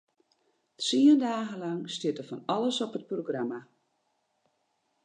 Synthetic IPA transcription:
siəndaːɣəlɑŋstɪtəfɔnɑləsɔpət̚proɡrama

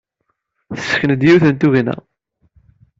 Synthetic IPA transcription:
θə̥sə̥çənəd̪jiwθənt̪uʝinæ̰

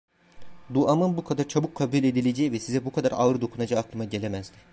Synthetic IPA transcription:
d̪uamɯnbukʰad̪aɾt͡ʃʰabukʰːabulʲe̞d̪ilʲe̞d͡ʒɛjivɛsizɛbukʰad̪aɾa̰ɯɾɯd̪o̞kʰunad͡ʒaːklˠɯmaɟe̞lʲemæzd̪ɪ̥

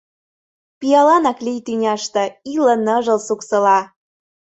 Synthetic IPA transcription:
pijɑlɑnɑklijt̪ynʲɑʃt̪ɤ̆ilə̆nə̆ʒə̆lsuksə̆lɑ

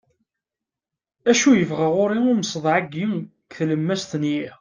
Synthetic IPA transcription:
æʃujəvʁaʁʊɾiʊɾməsˤðˤʕaɡːim | kθləmːæst̪ənji

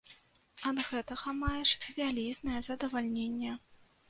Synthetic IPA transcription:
ɐd̪ɣɛt̪ɐɣɐmajɛʂvʲalʲiznɐjɛzɐd̪ɐvalʲnʲenʲːɛ

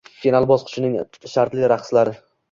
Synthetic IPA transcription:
fʰʲinalˠbɒzqʰʊ̥t͡ʃʰɪnɪŋ | ʃaɾt̪lɪɾaχslaɾɪ

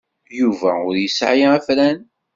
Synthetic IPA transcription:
juvæʊɾjəsʕjiæflæn

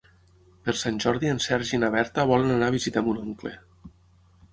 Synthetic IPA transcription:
peɾsanʲʒɔɾðiensɛɾʒinaβ̞ɛɾt̪əβ̞ɔlenanaβizit̪ɛmunoŋklḛ

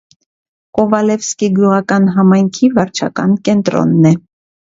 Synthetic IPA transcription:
kɔvɑlɛfskiɡjuʁɑkɑnɦɑmɑjŋkʰivɑɾt͡ʃʰɑkɑnkɛnt̪ɾɔ̰nːɛ

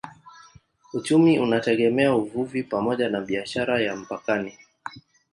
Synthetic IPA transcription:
ut͡ʃumiʔunatɛɠɛmɛauvuvipamɔʄanaɓiaʃaɾajam̩pakani

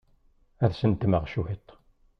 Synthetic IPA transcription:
æðsənt̪ːməʁʃuhit̪ˤː

